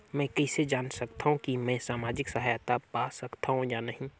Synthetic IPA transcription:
mɛ̃ːkɛːsed͡ʒaːnsɐk̚t̪aɦũkimɛ̃ːsaːmaːd͡ʒɪksɐɦajat̪apaːsɐkt̪aɦũjanɐɦĩ

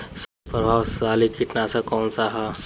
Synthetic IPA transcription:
s | pəɾasaːlikiʈnasakɔːnsaɦa

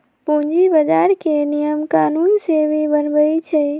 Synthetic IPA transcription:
pũd͡ʒibəd͡ʒaɾkenijəmkaːnunsebʱibənbəit͡ʃʰɛ

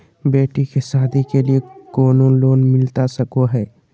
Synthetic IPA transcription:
beːʈikesaːd̪ʱikeliekoːnoloːnmɪlt̪asɐkoɦɛː

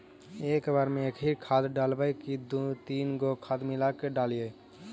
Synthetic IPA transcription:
ekbaɾmẽekʰiɾkʰad̪ɖalbəjkid̪ut̪inɡokʰad̪milakeɖalje

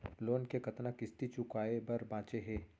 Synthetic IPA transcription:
loːnkekɐt̪nakɪst̪it͡ʃʊkaːebɐɾbãːt͡ʃeɦɛ̃ː

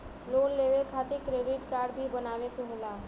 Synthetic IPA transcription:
loːnleːʋekʰaːt̪ekɾeːɖɪʈkaːɾɖbʱibɐnaːʋet̪oɦoːlaː

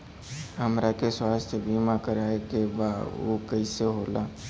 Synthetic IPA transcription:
ɦəmɾakeswaːst̪ʰəbiːmakəɾaːekebaːdo̰kəiseɦoːlaː

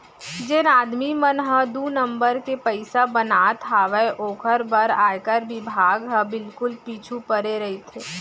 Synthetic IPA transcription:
d͡ʒenaːd̪mimənɦəd̪uːnə̃mbəɾkepəɪsabənaːt̪ʰaːʋəeʔoːkʰəɾbəɾaːjkəɾbɪbʱaːɡɦəbɪlkʊlpiːt͡ʃʰupəɾeɾɐɦet̪ʰeː

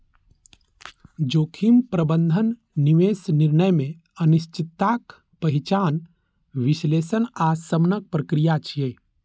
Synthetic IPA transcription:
d͡ʒoːkʰimpɾəbənd̪ʱənː | iʋeːsniɾnəjmẽ | əniʃt͡ʃit̪ːak | pəɦit͡ʃaːn | ʋiʃleːsənaːsəmnək̚pɾəkɾijat͡ʃʰijeː

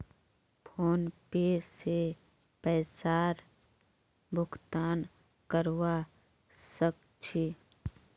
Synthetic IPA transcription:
pʰoːnpeːse | pɛːsaːɾ | bʱʊkt̪aːn | kəɾwa | sək̚ | t͡ʃʰi

